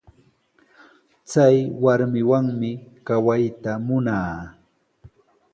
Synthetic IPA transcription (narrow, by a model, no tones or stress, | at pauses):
t͡sajwaɾmɪwaŋmɪkawajt̪amʊnaː